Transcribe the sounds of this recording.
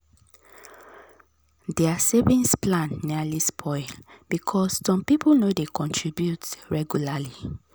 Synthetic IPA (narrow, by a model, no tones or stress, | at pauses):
dɛasevĩnsplãnːialispʰɔɪlb̥ikʰɔsːɔ̃mpipʰulnodekɔ̃ntʰɹibjutɹɛɡjulali